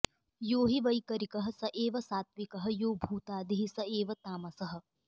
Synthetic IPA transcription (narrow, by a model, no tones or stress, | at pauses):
joːɦiʋɐjkɐɾikɐɦɐ̆sɐʔeːʋɐsaːt̪̚ʋikɐɦɐ̆joːbʱuːt̪aːd̪iɦisɐeːʋɐt̪aːmɐsɐɦɐ̆